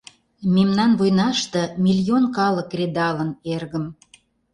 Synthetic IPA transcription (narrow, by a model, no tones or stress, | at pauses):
memnɑnβojnɑʃt̪ɤ̆mʲilʲionkɑlə̆krʲed̪ɑlənerɣə̆m